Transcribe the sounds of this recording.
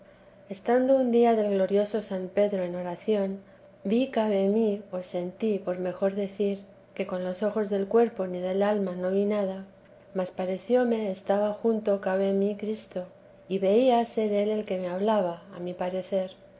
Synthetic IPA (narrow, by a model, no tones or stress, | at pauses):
e̞st̪and̪o̞und̪iaðe̞lɣlo̞ɾjo̞so̞sampe̞ðɾo̞eno̞ɾaθjo̞n | bikaβe̞mio̞se̞nt̪ipo̞ɾme̞xo̞ɾðe̞θiɾ | ke̞ko̞nlo̞so̞xo̞zðe̞lkwe̞ɾpo̞niðe̞lalmano̞βinað̞a | maspaɾe̞θjo̞me̞ːst̪aβaxunt̪o̞kaβe̞mikɾist̪o̞ | iβe̞iase̞ɾe̞le̞lke̞me̞aβlaβaːmipaɾe̞θe̞ɾ